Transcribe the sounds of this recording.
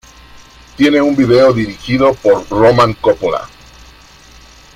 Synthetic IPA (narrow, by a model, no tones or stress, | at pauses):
t̪je̞ne̞umbiðe̞oðiɾixiðo̞poɾromãŋkopola̰